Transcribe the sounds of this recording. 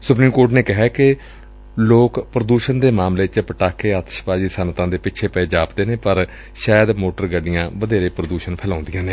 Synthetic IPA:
sʊpɾiːmkoːɾʈneːkɪɦɛːkɪ | loːkpɾəd̪uːʃənd̪eːmaːmleːt͡ʃpəʈaːkʰːeːaːt̪ə̥ʃpaːd͡ʒiːsənt̪ãːd̪eːpɪt͡ʃʰeːpɛeːd͡ʒaːpd̪eːneːpəɾ | ʃaːjəd̪moːʈəɾɡəɖɪjãːʋəd̪eːɾeːpɾəd̪uːʃənpʰɛːlãːʊ̃nd̪ɪjãːneː

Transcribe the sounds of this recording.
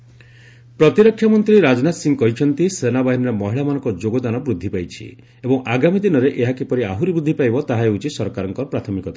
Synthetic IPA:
pɾɔt̪iɾɔkʰːjamɔnt̪ɾiɾad͡ʒnat̪siŋkɔɦit͡ʃʰɔnt̪isenabaɦinɔɾemɔɦiɭamanɔ̃ŋkɔd͡ʒoɡɔd̪anɔbɾud̪ʱːipajt͡ʃʰḭ | ebɔŋaɡamid̪inɔɾeʔeɦakipɔɾiaɦuɾibɾud̪ʱːipajbɔt̪aɦaeut͡ʃisɔɾkaɾɔŋkɔɾpɾat̪ʰɔmikɔt̪a

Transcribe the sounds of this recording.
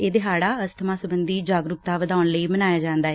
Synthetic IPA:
eːd̪eːɦaːɽaːəst̪ʰəmaːsəbənd̪iːd͡ʒaːɡɾʊkt̪aːʋəd̪aːʊnləiːmənaːjaːd͡ʒãːnd̪aːɦɛː

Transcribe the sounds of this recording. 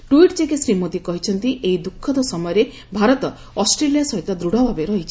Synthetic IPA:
ʈuiʈd͡ʒekesɾimod̪ikɔɦit͡ʃʰɔnt̪iʔeɦid̪ukʰːɔd̪ɔsɔmɔjɔɾe | bʱaɾɔt̪ɔ | ɔsʈɾelijasɔɦit̪ɔd̪ɾuɽabʱabeɾɔɦit͡ʃʰi̥

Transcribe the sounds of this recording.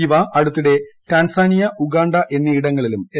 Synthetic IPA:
iʋɐʔɐɽut̪ːiɽe̞ʈaːnsaːnijɐʔuɡaːɳɖɐʔe̞nːɐiɽɐŋːɐɭilume

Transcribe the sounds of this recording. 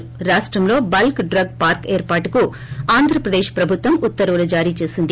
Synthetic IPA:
ɾaːʂʈɾɐmlo̞ːbɐlkɖɾɐɡ̚paːɾkeːɾpaːʈuku | aːnd̪ʱɾɐpɾɐd̪eːʃpɾɐbʱut̪ʋɐmut̪ːɐɾɐʋulud͡ʒaːɾiːt͡ʃe̞ːsind̪i

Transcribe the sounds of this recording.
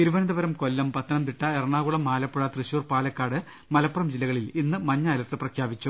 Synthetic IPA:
t̪iɾuʋɐnɐd̪ɐbɐɾɐmko̞lːɐmpɐt̪ʰːɐnɐmt̪iʈːɐerɐɳaːɣuɭɐmaːlɐpːuɭɐt̪rɨɕuːrpaːlɐkːaːɽɨ | mɐlɐpːɐrɐmd͡ʑilːɐɣɐɭilinːɨmɐɲːɐaːlɐʈːɨprɐkʰjaːʋit͡ɕːu

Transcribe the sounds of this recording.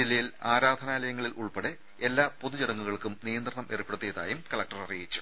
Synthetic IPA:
ilːɐjilaːɾaːd̪ʱɐnaːlɐjɐŋːɐɭilʔuɭpeɽe | e̞lːaːpo̞ðut͡ɕiɽɐŋːuɣɐɭkumnijɐnd̪rɐɳɐmʔerupːeɽut̪ːeːða̰ːjumkɐɭɐk̚ʈɐrɐrijit͡ɕːu̥

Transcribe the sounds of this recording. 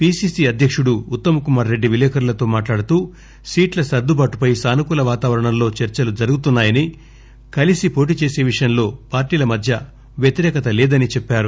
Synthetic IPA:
piːsiːsiɐd̪ʱjɐkʂuɽuːt̪ːɐmɐkumaːɾɾeɖːiʋilɛːkʰɐɾulɐt̪o̞ːmaːʈlaːɽut̪uː | siːʈlɐsɐɾd̪ubaːʈupɐjsaːnukulɐʋaːt̪aːʋɐɾɐɳɐmlo̞ːt͡ʃeɾt͡ʃɐlud͡ʒɐɾuɡut̪unːaːjɐni | kɐlisipo̞ːʈ̬iːt͡ʃe̞ːse̞ːʋiʂɐjɐmlo̞ːpaːɾʈiːlɐmɐd̪ʱjɐ | ʋjet̪iɾɛːkɐt̪ɐlɛːd̪ɐnit͡ʃɛpːaːɾu

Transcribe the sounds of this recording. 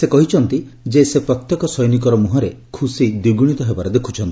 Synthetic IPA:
sekɔɦit͡ʃʰɔnt̪i | d͡ʒesepɾɔt̪jɔkɔsɔjnik̬ɔɾɔmuɦɔɾe | kʰusid̪uɡuɽ̃it̪ɔɦebaɾed̪ekʰu̥t͡ʃʰɔnt̪i̥

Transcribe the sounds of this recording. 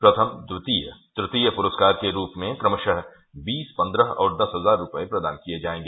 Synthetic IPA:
pɾɐt̪ʰəmd̪ɾɪt̪iːjə̰d̪̥ɾɪt̪iːjəpʊɾəskaːɾkeɾuːpmẽkɾɐməʃəɦ | biːspɐ̃nd̪ɾəɦɔ̰ːɾd̪ɐsɦɐzaːɾːʊpəepɾɐd̪a̰ːnkijed͡ʒaːẽːŋɡeː

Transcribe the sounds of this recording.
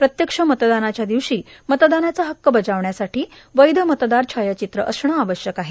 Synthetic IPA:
pɾət̪jəkʂəmət̪d̪anat͡ɕjad̪iʋɕiːmət̪d̪anat͡saɦəkːəbəd͡zaʋɳjasaʈiː | ʋəjd̪ʱəmət̪d̪aɾt͡ɕʰajat͡ɕit̪ɾəʔəsɳəaʋəɕjəkaɦe

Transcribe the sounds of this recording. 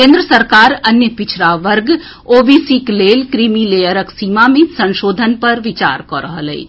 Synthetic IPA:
kẽːnd̪ɾəsəɾkaːɾɐnjəpɪt͡ʃʰɾaʋəɾɡ | oːbisikleːlkɾiːmileːjəɾəksiːmamẽsɐ̃nʃoːd̪ʱənpɐɾʋɪt͡ʃa̰ːɾkɔɾəɦəlɛ̰i

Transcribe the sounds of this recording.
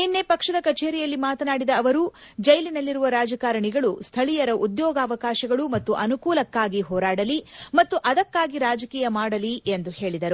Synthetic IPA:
inːepɐkʂɐd̪ɐkɐt͡ʃe̞ːɾijɐlːimaːt̪ɐnaːɽid̪ɐːʋɐɾuː | d͡ʒɐjlinɐlːiɾuʋɐɾaːd͡ʒɐkaːɾɐɳiɡɐɭust̪ʰɐɭijɐɾɐʔud̪jɔːɡaːʋɐkaːʃɐɡɐɭumɐt̪ːuʔɐnukuːlɐkːaːɡiɦɔːɾaːɽɐlimɐt̪ːuʔɐd̪ɐkːaːɡiɾaːd͡ʒɐkiːjɐmaːɽɐliend̪uhe̞ːɭid̪ɐɾu

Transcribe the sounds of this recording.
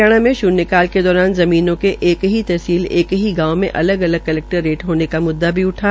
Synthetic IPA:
aːɽ̃amẽʃʊːnːɪkaːlked̪ɔːɾaːnzɐmiːnõkeʔeːkɦit̪ɛɦsiːleːkɦiɡãːomḛ̃ʔɐ̰ləɡɐləɡ̚kɐlɛːk̚ʈəɾːeːʈɦoːnekamʊd̪ːabʱiʊʈʰaː

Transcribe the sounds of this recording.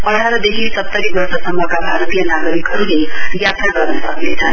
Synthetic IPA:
ʌɽ̤ʱaɾʌd̪eɦisʌpt̪ːʌɾibʌrsʌsʌmːʌkabʱaɾt̪ijʌnaɡʌɾikɦʌɾulejjat̪ɾaɡʌrnʌsʌknet͡sʰʌn

